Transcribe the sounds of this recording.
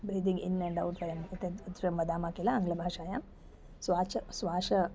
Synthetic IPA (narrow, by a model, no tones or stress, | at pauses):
bɾiːd̪iŋɡinːɐɳɖɐwɳʈɐjɐmit̪et̪ɾembɐd̪aːmaːkilaɐŋɡlɐbʱaːʂaːjaːm | sʋaːt͡ʃɐsʋaːʂɐ